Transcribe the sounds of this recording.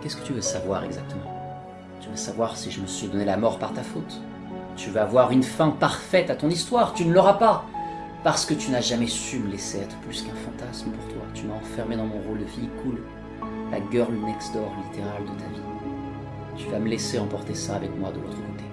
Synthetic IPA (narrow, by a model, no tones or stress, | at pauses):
kʲɛskə̥t̪yvøsavwaʁɛ̰ɡzak̚t̪əmɑ̃ | t̪yvøsavwaʁsiʒəməsɥid̪ɔnelamɔʁpaʁt̪afot̪ | t̪yvøavwaʁynfɛ̃paʁfɛt̪at̪ɔ̃nist̪waʁt̪ynələʁapa | paʁsə̥kət̪ynaʒamɛsyməleseɛt̪χə̥plyskɛ̃fɑ̃t̪asməpuʁt̪wa̰t̪ymaɑ̃fɛʁmed̪ɑ̃mɔ̃ʁold̪əfijkʰul | la̰ɡʲœʁlnɛksd̪ɔʁlit̪eʁald̪ət̪avi | t̪yvaməlɛseɑ̃pɔʁt̪esaːvɛkmwad̪əlo̰t̪χəkot̪e